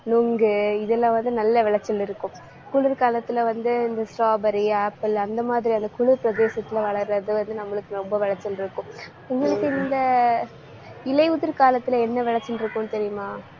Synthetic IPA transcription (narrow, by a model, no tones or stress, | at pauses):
nuŋɡɯɪðɛlːãːʋɐnd̪ɯnɐlːɐʋɪɭɐt͡ʃːɐlɪɾɯkːʊ̃ | kʊɭɯɾkaːlɐt̪ːɪlɐʋɐnd̪ɯɪnd̪ɐsɾaːbɐɾiaːpːɪlɐnd̪ɐmaːðɪɾiɐnd̪ɐkʊɻɯɾpɪɾɐd̪eːsɐt̪ːɪlɐʋɐɭɐɾɾɐðɯʋɐnd̪ɯnɐmːɐɭɯkːɯɾɔmbɐʋɪɭɐt͡ʃːɐlɪɾɯkːʊ̃ | ʊŋɡɐɭɯkːɯɪnd̪ɐ | ɪlɐɪʊðɪɾkaːlɐt̪ːɪlɐɛnːɐʋɪɭɐt͡ʃːɪlɪɾɯkːʊ̃nt̪ɛɾɪjɯmaː